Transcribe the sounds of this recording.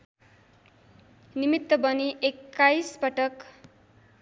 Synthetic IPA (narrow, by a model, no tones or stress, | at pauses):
nimit̪ːʌbʌniʔekːajsbʌʈʌk